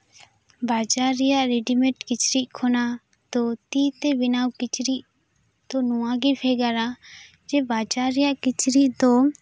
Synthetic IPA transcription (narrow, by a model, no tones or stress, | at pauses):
baːd͡ʒaːɾijaʔɾɛɖimɛ̃ʈkɪt͡ʃɾiʔkʰɔna | t̪ot̪iːt̪ɛbɪnaːwkɪt͡ʃɾiʔ | t̪onuwaɡipʰɛːɡaɾa | d͡ʒɛbaːd͡ʒaːɾijaʔkɪt͡ʃɾiʔt̪o